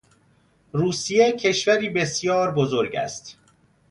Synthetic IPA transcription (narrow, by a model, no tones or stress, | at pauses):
ruːsijecʰe̞ʃvæɾiːbe̞sjɒːɾbozo̞ɾɟæ̰st̪